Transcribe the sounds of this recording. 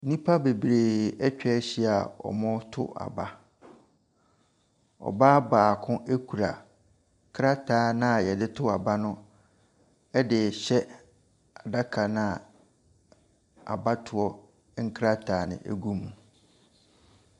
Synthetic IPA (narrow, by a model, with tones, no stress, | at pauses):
nĩ˦pʰa˦be˨bɾeː˨ɛ˦t͡ɕᶣɛ˦ɕi˦a˨ɔ̰˨mʊ̃˦tʰʊ̰˦ʔa̰˨ba˦ | ɔ̰˨baː˦baː˨kʰʊ̃˦ʔæ˦kʰu˨ɾa̰˨ | kʰɾa˦tʰaː˨˦nã˦˨jɛ˨dɪ˦tʰʊ˦a˨ba˦nʊ̃˦ | ɛ˦dɪ˨ɕɛ˦ | a˨da˦kʰa˨nã˦˨ | a̰˨ba˦tʰʊ˨ɔ˦ | ŋ̩˦kʰɾa˦tʰaː˨nɪ̰̃˨ʔæ̰˦˨ɡu˦mũ˨